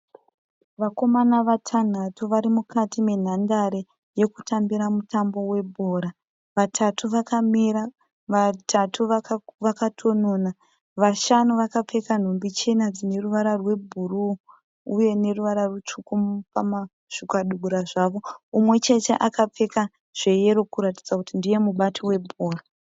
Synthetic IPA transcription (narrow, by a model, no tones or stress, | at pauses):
ʋako̞manaʋatʰan̤atuʋaɾimukatime̞n̤andaɾe | je̞kutʰambiɾamutambo̞we̞bʱo̞ːɾa | ʋatʰatuʋakamiɾa | ʋatʰatuʋaʋakatʰo̞noːna | ʋaʃanuʋakap͡fe̞kan̤ombit͡ʃenad͡zine̞ruʋaɾarwe̞bʱuruː | je̞ne̞ruʋaɾarwut͡ʂukumpama | ʃukaɗuɡuɾaʐaʋo̞umwe̞t͡ʃe̞te̞ʔakap͡fe̞ka | ʐ̥e̞je̞ɾo̞kuɾati̥d͡zakutindije̞muɓatʰowe̞bʱoːra